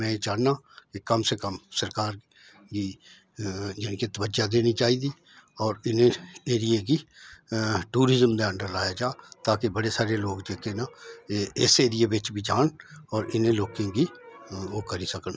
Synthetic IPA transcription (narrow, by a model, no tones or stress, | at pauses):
mɛ̃ːt͡ʃaːnaːkekəmsekəmsəɾkaːɾ | ki | d͡ʒɪnket̪əʋəd͡ʒad̪eːnit͡ʃaːiːd̪iː | ɔːɾɪnẽeːɾijeki | ʈuːɾɪzəmd̪eə̃ɳɖəɾlaːjad͡ʒaːt̪aːkebəɽesaːɾeloːɡd͡ʒeːkena | ɪseːɾijebɪt͡ʃbʱid͡ʒaːnɔːɾɪnẽloːkẽɡiokəɾisəkən